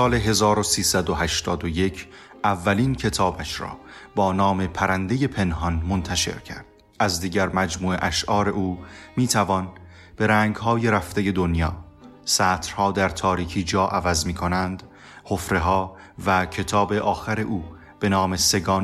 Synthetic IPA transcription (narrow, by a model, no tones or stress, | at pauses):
sɒːle̞ɦe̞zɒːɾosiːsæd̪oɦæʃt̪ɒːd̪oje̞cʰ | ʔævːæliːncʰe̞t̪ʰɒːbæʃɾɒ̰ː | bɒːnɒːme̞pʰæɾænd̪eje̞pʰe̞nɦɒnmont̪ʰæʃe̞̰ɾcʰæ̰ɾd̪̥̚ | ʔæzd̪iːɟæɾmæd͡ʒmuːe̞ʔæʃʔɒːɾe̞ʔuːmiːt̪ʰævɒːn | b̥e̞ɾæːŋɡɦɒːje̞ɾæft̪e̞je̞d̪onjɒː | sæːt̪ʰɾ̥hɒːd̪æɾt̪ʰɒːɾiːcʰiːd͡ʒɒːʔævæzmiːkʰo̞nænd̪ | ho̞fɾe̞ɦɒː | væcʰe̞t̪ʰɒːbe̞ʔɒːxæɾe̞ʔuː | b̥e̞nɒːme̞se̞ɡɒːn